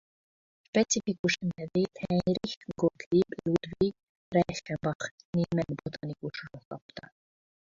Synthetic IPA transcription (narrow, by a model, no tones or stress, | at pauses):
ʃpɛt͡sʰifikuʃɛnʰɛvɛt̪ʰɛɾixɡɔt̪ʰliblud̪vi | ɾɛxɛmbɑχnimɛnbɔt̪anikʼuʃɾɔhkʼɑp̚ʰt̪a